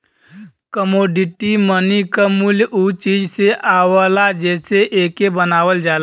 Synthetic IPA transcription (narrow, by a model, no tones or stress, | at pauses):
kəmoːɖiʈimənikamuljʔut͡ʃiːd͡ʒseʔaːwalad͡ʒɛːseʔeːkebənaːwəld͡ʒaːl